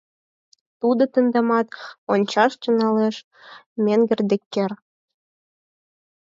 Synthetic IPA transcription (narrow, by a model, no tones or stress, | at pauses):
t̪ud̪ɤ̆t̪ə̆nd̪ɑmɑt̪onʲt͡ɕɑʃt͡ɕə̆nɑleʃ | mʲeŋɡɘ̆rd̪ɘ̆kːer